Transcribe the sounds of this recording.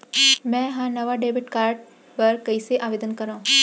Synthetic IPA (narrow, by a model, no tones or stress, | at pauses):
mɛ̃ːɦãːnɐʋaɖeːbɪʈkaːɾʈ̚ | pɐɾkɐiseʔaːʋeːd̪ənkɐɾãːũ